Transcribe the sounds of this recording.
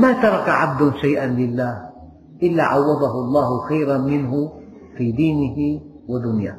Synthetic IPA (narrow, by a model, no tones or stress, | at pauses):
maːt̪ɑɾˤɑkaʕa̰b̚d̪ʊʃajʔanlɪlːaːh | ʔɪlːaʕawːɑd̪ˤɑɦʊʔɑlˤːɑːhʊxajɾamɪnhʊ | fiːd̪iːnɪhɪ | wad̪ʊnja̰ː